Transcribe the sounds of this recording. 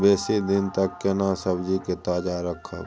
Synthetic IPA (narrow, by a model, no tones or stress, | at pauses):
beːsid̪ɪnt̪əkːenasəbd͡ʒiket̪aːd͡ʒaɾəkʰːə̰